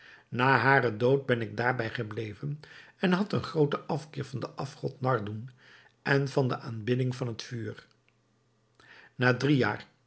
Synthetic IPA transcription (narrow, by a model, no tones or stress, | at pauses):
naːɦaːrədowt̚bɛnɪɡ̚daːɹbɛjχəblejvənɛnɦɑtənχrowtəʔɑfkɪːɹvɑndəʔɑfχɔtnɑɹdun | ʔɛnvɑndəʔaːnbɪdɪŋvɑnɦətfyːɹ | naːdrija̰ːɹ